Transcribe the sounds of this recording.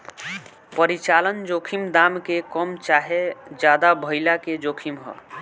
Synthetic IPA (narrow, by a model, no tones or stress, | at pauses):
pəɾit͡ʃalənd͡ʒokʰimd̪amkekəmt͡ʃaɦed͡ʒad̪abʱəɪlaked͡ʒokʰimɦɔ̰